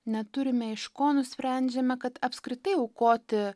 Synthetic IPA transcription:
nʲɛt̪ʊɾʲɪmʲɛɪʃkoːnʊsʲpʲɾʲæˑnʲd͡ʒʲɛmʲɛkɐt̪ɐpʲskɾʲɪt̪ɐɪɐʊkoːt̪ʲɪ

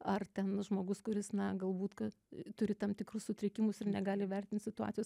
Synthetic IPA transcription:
ɐrt̪ʲɛnʒmoːɡʊskʊɾʲɪsnɐɡɐlˠbuːt̪kɐ | t̪ʊɾʲɪt̪ɐmt̪ʲɪkɾʊssʊt̪ʲɾʲɪkʲɪmʊsɪɾnʲɛɡɑːlʲɪʋʲɛrʲt̪ʲɪnt̪sʲɪt̪ʊɑ̰ːt͡sʲsʲɪjoːs

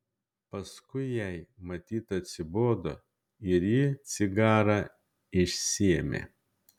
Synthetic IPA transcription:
pɐskʊɪjɛɪmɐt̪ʲiːt̪ɐt̪ʲsʲɪboːd̪oː | ɪɾjiːt̪sʲɪɡɑːɾɑ | ɪʃʲsʲiɛmʲḛː

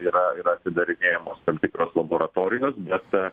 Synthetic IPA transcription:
iːɾɐiːɾɐɐt̪ʲsʲɪd̪ɐɾʲɪnʲeːjɛmoːst̪ɐmʲt̪ʲɪkɾoːslˠɐboːɾɐt̪oːɾʲɪjoːsbʲɛt̪

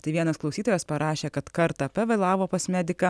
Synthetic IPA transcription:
t̪ɐɪʋʲiɛnɐsklˠɒʊsʲiːt̪oːjɛspɐɾɑːʃʲeːkɐt̪kɐɾt̪ɐpʲɛʋɐɪlˠɑːʋoːpɐsmʲæd̪ʲɪkɑ

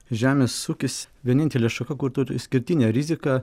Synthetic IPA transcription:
ʒʲæːmʲeːsuːkʲɪsʲʋʲiɛnʲɪnʲt̪ʲɛlʲeːʃɐkɐkʊɾt̪ʊɾʲsʲkʲɪɾʲt̪ʲɪnʲɛːɾʲɪzʲɪkɑː

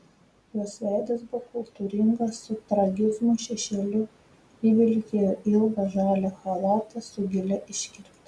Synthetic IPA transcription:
joːsʋʲæˑɪd̪ʲesbʊʋokʊlˠt̪uːɾʲɪŋɡɐssʊt̪ɾɐɡʲɪzmʊʃʲɛʃʲɛlʲʊ | iːʋʲɪlʲkʲejoɪlˠɡɐʒɑːlʲɛxɐlˠɑːt̪ɐsʊɡʲɪlʲɛʔɪʃʲkʲɪɾʲkt̪

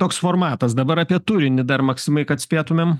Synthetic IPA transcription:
t̪oːksfoːrmɑːt̪ɐsd̪ɐbɐɾɑːpʲiɛt̪uɾʲɪnʲɪd̪ɐɾmɐksʲɪmɐɪkɐt̪sʲpʲeːt̪ʊmʲeːm

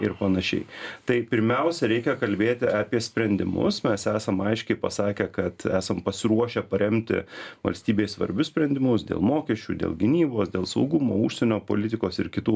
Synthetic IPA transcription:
ɪɾpɐnɐʃʲɛ̰ɪt̪ɐɪpʲɪɾʲmʲɛʊsʲɛɾʲɛɪkʲɛkɐlʲbʲeːt̪ʲɪɑpʲiɛsʲpʲɾʲɛnʲd̪ʲɪ̰mʊ̰smʲɛsæːsɐmɐɪʃʲkʲɛɪpɐsɑːkʲɛkɐt̪æːsɐmpɐsʲɪɾuɔʃʲɛpɐɾʲɛmʲt̪ʲɪ̰ʋɐ̰lʲsʲt̪ʲiːbʲeːsʋɐ̰ɾʲbʲʊsʲpʲɾʲɛnʲd̪ʲɪmʊsd̪ʲḛːlˠmoːkʲɛʃʲt͡ʃʲuːd̪ʲḛːlˠɡʲɪnʲiːboːsd̪ʲeːlˠsɐʊɡʊmoːuʃʲsʲɛnʲoːpo̰ːlʲɪt̪ʲɪkoːsɪɾkʲɪt̪uː

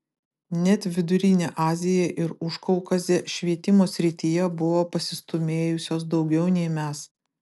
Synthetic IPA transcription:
nʲɛt̪ʲʋʲɪd̪ʊɾʲinʲeʔɑːzʲɪjɛʔɪɾʊʃkɔʊkɐzʲeʃʲʋʲiɛt̪ʲɪmoːsʲɾʲɪt̪ʲijɛbʊʋoːpɐsʲɪst̪ʊmʲeːjʊsʲoːs̬d̪ɒʊɡʲɛʊnʲɛɪmʲæs

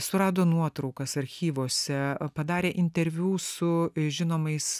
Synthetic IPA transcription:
sʊɾɑːd̪oːnuɔt̪ɾɐʊkɐsɐɾʲxʲiːʋoːsʲɛpɐd̪ɑːɾʲeːʔɪnʲt̪ʲɛɾʲʋʲuːsʊʒʲɪnoːmɐɪs

